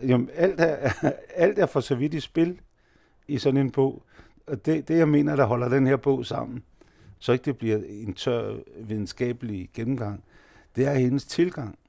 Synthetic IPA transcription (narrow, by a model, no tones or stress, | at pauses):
jæmæl̰d̥ææl̰d̥æɐfɒ̽sɒ̽ʋid̥isb̥e̝l | isɒ̽ne̝nb̥ɔ̰̽ʊ̰ | ɒ̽d̥ed̥e̝jɑ̈ɪme̝ːnɐɾ̥ɑ̈ɦɒ̽l̰ɐd̥enheɐb̥ɔ̰̽ʊ̰sɑ̈m̰n̩ | sɒ̽e̝ɡ̥̚d̥e̝b̥liɐe̝nt͡sʰɶɐ̰ʋiðˠn̩sɡ̥ɛ̰ːb̥əliɡ̥enm̩ɡ̥ɑ̈ŋ̰ | d̥e̝æɐhe̝nəst͡sʰe̝lɡ̥ɑ̈ŋ̰